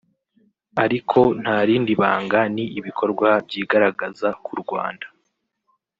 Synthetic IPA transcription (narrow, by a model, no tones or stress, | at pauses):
aɾikʰo̞n̥haːɾiːndiβa̰ːŋɡaniiβikʰo̞ɾɡwabjiːɡaɾaɡazakuɾɡwa̰ːndḁ